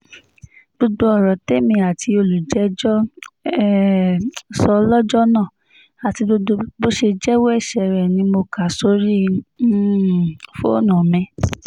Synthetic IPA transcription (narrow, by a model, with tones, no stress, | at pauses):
b̥o˧do˧ɔ˦˨ɾɔ˨te˦mĩ˧a˨tʰi˧o˧lu˨d͡ʒɛ˨˧d͡ʒɔ˦ | sɔ˧˦lɔ˦d͡ʒɔ˦nã˦˨ | a˨ti˧o˧o˧bo˦ʃe˧d͡ʒɛ˦we˦ɛ˦˨ʃɛ˨ɾɛ˨nĩ˧mo˧ka˨so˧˦ɾi˦˨ | fo̰˦nũ˨mɛ̃˧˦